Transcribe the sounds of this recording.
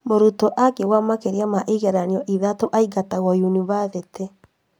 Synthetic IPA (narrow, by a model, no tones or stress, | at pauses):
moɾutɔʔakewamakeɾjamaʔeɣɛɾanjɔʔiðatoʔaiɡataɣɔjunivasɛte